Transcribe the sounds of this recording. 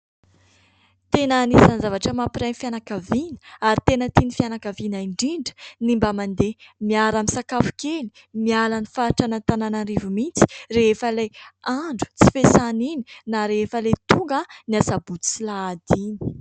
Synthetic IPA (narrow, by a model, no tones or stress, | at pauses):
t̪enənisanzavaʈ͡ʂəmapiɾanifjanakavinə̥aɾit̪enət̪inifianakavinaiɳɖ͡ʐiɳɖ͡ʐə̥nimbamand̪emiaɾamisakafu̥keli̥ | mialanifaʈ͡ʂanant̪ananaɾivumint͡si̥refəleaɳɖ͡ʐu̥t͡si̥fesanininaɾefəlet̪uŋɡəniasabuut͡silaːd̪ini̥